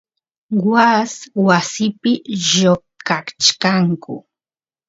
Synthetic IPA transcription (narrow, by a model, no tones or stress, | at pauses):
waswasɪpɪʒo | kakt͡ʃkaŋkʊ̰